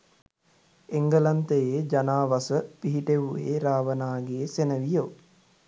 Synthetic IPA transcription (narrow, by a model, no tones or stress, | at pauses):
eŋɡəlant̪əjeːd͡ʒanaːʋasəpiɦiʈeʋuḛːɾaːʋənaːɡeːsenəʋijo